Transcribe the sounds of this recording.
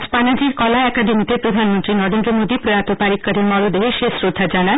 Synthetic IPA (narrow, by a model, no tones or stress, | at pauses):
panad͡ʑiːɾkɔlaɛkad̪imit̪epɾəd̪ʱanmənt̪ɾinɔɾend̪ɾəmod̪ipɾəjat̪opaɾikːəɾenmɔɾod̪eɦeʃesɾod̪ʱːad͡ʒana